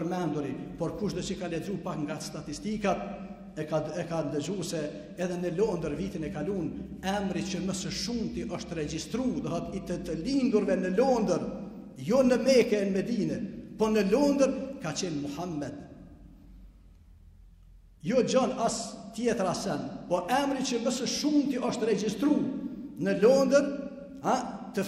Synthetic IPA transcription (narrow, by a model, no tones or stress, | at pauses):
əɾmɛnd̪uɾipɔɾkuʃd̪ɔt͡ʃəkalɛzupakŋɡast̪at̪ist̪ikat̪̚ | aɛkad̪əzusɛː | ðɛnəlɔnd̪əɾvit̪inɛkalun | ɛmɾit͡ʃəməsəʃumt̪iʔɔʃt̪ɾɛd͡ʑist̪ɾuðəɦət̪it̪ət̪əlind̪uɾvɛnəlɔnd̪əɾ | jɔnəmɛkɛnmɛd̪iːnɛpɔnəlɔnd̪əɾkat͡ɕɛnmuhamːɛd̪ | jɔd͡ʑɔnast̪jɛt̪ɾasɛnpɔʔɛmɾit͡ʃəməsəʃumt̪iʔɔʃt̪ɾɛd͡ʒist̪ɾunəlɔnd̪əɾ | at̪ə